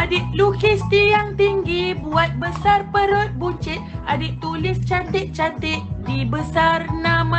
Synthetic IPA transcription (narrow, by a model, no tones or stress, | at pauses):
adɪt̪̚lukist̪ijaŋt̪iŋɡibuat̪̚bəsarpəɾot̪̚but͡ʃɪt̪̚adɪp̚t̪ulɪst͡ʃat̪ɪt̪̚t͡ʃat̪ɪt̪̚dibəsarnãmã